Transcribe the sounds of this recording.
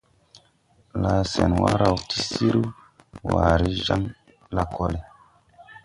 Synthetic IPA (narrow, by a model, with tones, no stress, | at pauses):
la˨sɛ˨nwa˦ɾa˨wti˦si˦ɾu˦ | wa˨ɾi˦ʒa˦ŋ | la˨ko˦le˨